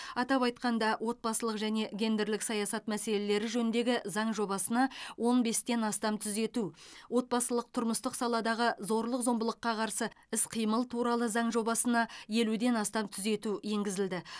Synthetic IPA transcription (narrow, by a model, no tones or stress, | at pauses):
ɑt̪ɑpɑjt̪qɑnd̪ɑwʔo̞t̪̚bɑsəlˠəqʒæne̞ɡʲe̞nd̪e̞ɾlɪksɑjɑsɑt̪mæse̞le̞le̞ɾɪʒɵnɪnd̪e̞ɡʲɪzɑɴʒo̞bɑsənɑwo̞nbe̞st̪e̞nɑst̪ɑmt̪ʰʏze̞t̪uwo̞t̪̚bɑsəlˠəq̚t̪ʰʊɾməst̪əqsɑlˠɑd̪ɑʁəzo̞ɾlˠəqzo̞mbəlˠəqːɑqʰɑɾsəɪsqʰijməlˠt̪ʰuɾɑlˠəzɑɴʒo̞bɑsənɑje̞lud̪e̞nɑst̪ɑmt̪ʰʏze̞t̪uje̞ŋɡʲɪzɪld̪ɪ